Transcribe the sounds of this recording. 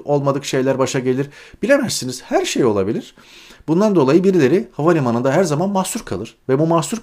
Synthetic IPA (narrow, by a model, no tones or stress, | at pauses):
o̞lˠmad̪ɯkʃe̞jlʲæɾbaʃaɟe̞lʲiɾb̥ilʲemæɾsiniz̥hæɾʃejo̞lˠabilʲiɾ̥ | b̥und̪and̪o̞lˠajɯbiɾilʲe̞ɾihavanʲimanɯnd̪aɦæɾzamanmasuɾkʰa̰lˠɯɾ̥vɛbumasuɾ